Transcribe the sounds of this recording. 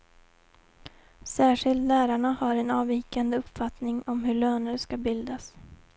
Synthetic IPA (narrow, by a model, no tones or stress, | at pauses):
sæːʂɪlt̪læːɾaɳahaɾɛnɑːviːkand̪əɵpːfat̪nɪŋɔmɦɵɭøːnəɾʂkabɪld̪as